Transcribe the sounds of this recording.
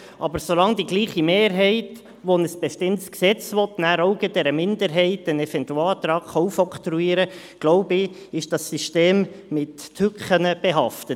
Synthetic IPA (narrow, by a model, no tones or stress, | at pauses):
ʔɑ̰bəɾsolɑŋd̪iɡliːχimeːɾɦɛɪt | ʋonəsb̥ɛʃtɪntsksɛt͡sʋɔt̪næɾɔʊɡəd̥ɛɾəmɪndəɾɦɛɪtənɛfɛnt̪uɑːt̪ɾɑːkχɑwfɔkt̪ɾuiːɾə | ɡ̥loʊbɪ | ɪʃd̥ɑsːiʃteːmmɪtːʰʏkχənəb̥eɦɑftə